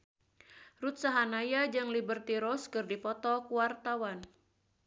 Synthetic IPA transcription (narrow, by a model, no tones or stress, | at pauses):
rut̪̚saɦanajad͡ʒɨŋlibərt̪iɾɔskɨrdipɔt̪ɔkuwart̪awan